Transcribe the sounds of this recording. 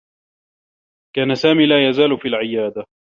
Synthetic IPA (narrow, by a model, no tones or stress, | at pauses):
kaːnasaːmiːlaːjazaːlʊfiːlʕɪjaːd̪a